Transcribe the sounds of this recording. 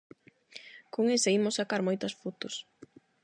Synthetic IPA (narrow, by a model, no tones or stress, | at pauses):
koŋeseimʊsːakaɾmojt̪ɐsfut̪ʊs